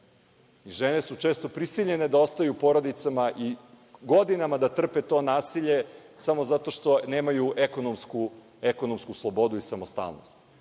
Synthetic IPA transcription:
iʒenesut͡ʃe̞ːst̪o̞pɾisiʎe̞ne̞d̪ao̞st̪ajupo̞ɾo̞d̪it̪samaʔi | ɡo̞d̪inamad̪at̪r̩pet̪o̞ːnaːsiʎe̞samo̞zat̪o̞ʃt̪o̞ne̞ːmajuʔeko̞nomsku | ekonomskuslˠobo̞d̪uisamost̪a̰lˠno̞̰st̪

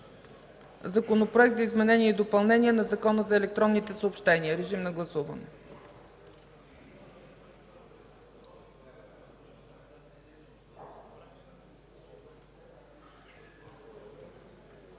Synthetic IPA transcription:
zɐkonopɾoɛk̚t̪zəizmɛnɛnʲiəid̪opɐlˠnɛniɛnɐzɐkɔnəzɐɛlɛk̚t̪ɾɔnːit̪ɛsoːpʃt̪ɛniəɾɛʒimnɐɡlˠɐsuvə̰nɛ

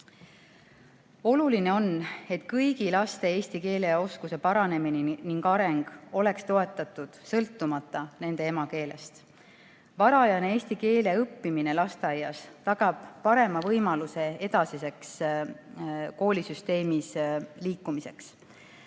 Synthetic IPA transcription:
o̞luline̞o̞ne̞t̪ːkɤjɡ̥ilɑst̪e̞eːst̪ike̞ːle̞o̞skuse̞pɑɾɑne̞mininiŋɡɑɾe̞ŋɡ̥o̞le̞kst̪o̞e̞t̪ːˑɑt̪ːˑud̪̥sɤlt̪ːˑumɑt̪ːˑɑne̞ne̞e̞mɑke̞ːle̞̰st̪ | vɑɾɑjɑnee̞ːst̪ike̞ːle̞ɤpːimine̞lɑst̪eɑjːɑst̪ɑɡ̥ɑb̥ːɑɾe̞mɑvɤjmɑluse̞e̞d̪ɑsise̞ks | ko̞ːlʲisyst̪e̞ːmisliːkːˑumise̞ks

